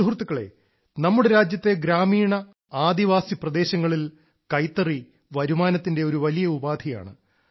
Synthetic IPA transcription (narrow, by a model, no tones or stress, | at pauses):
ɦurt̪ːukːɐɭe̞̰ | nɐmːuɽeɾaːd͡ʑjɐt̪ːe̞ɡɾaːmiːɳɐ | aːd̪iʋaːsiprɐd̪e̞ːɕɐŋːɐɭil | kɐjt̪ːɐri | ʋɐɾumaːnɐt̪ːinde̞o̞ɾuʋɐlijɐubaːd̪ʱija̰ːɳɨ̰